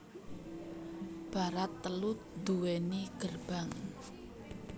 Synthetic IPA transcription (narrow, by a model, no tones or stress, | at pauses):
b̥a̤ɾat̪ːəlut̪̚d̪̥uweniɡ̥ərb̥aŋ